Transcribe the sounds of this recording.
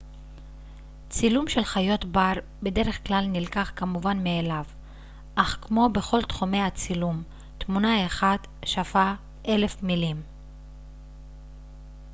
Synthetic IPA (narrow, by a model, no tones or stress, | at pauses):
t͡silumʃe̞lχajo̞t̪baʁ | be̞de̞ʁe̞χklalnilkaχkamuvanmeːlav | ʔaχkmo̞be̞χo̞lt̪χume̞jhat͡silum | t̪munaeχad | ʃafa | ʔe̞le̞fmilim